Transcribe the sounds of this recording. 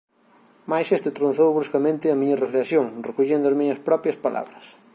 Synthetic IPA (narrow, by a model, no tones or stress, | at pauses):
majsest̪ɪt̪ɾonθowβɾuskɐmẽnt̪ɪɐmĩɲɐreflesjoŋrekuʎend̪ʊɐzmiɲɐspɾɔpɾjɐspala̰βɾɐs